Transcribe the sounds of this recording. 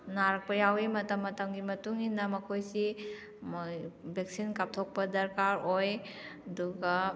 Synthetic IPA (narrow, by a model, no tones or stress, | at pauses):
naɾɐk̚pɐjawemɐtɐmːɐtɐmɡimɐtuŋinːɐmɐkʰojsi | bʱek̚sinkap̚tʰok̚pɐdɐɾkaɾoj | ɐduɡɐ